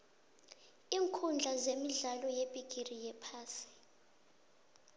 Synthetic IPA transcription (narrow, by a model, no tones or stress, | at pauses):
iːŋkʰund͡ɮʱazemiɮalɔjepʼiɡ̥ʼʱirijɛpʰaːsi̥